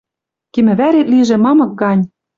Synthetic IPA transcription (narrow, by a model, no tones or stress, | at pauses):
kimɘ̆βæɾet̪liʒĕmɑmɤ̆k̚ɡɑnʲ